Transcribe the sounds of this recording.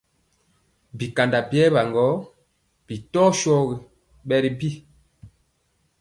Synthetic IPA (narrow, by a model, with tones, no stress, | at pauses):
bi˨ka˨nda˨bjɛ˦ba˨ŋɡɔ˨˦ | b̥i˨tɔ˦ʃɔ˦ɣi˨ | ɓɛ˦ɾi˦bi˦